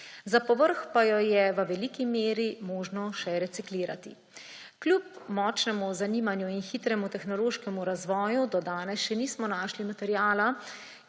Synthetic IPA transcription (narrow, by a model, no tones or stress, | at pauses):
zapɔʋəɾxpajɔjɛʋəʋɛliːkimeːɾimoːʒnɔʃɛɾɛt̪sikliːɾat̪ḭ | klʲjup̚mɔːt͡ʃnɛmuzaniːmanjuinxiːt̪ɾɛmut̪ɛxnɔloːʃkɛmuɾazʋɔːjud̪ɔd̪aːnɛsʃɛniːsmɔnaːʃlimat̪ɛɾjaːla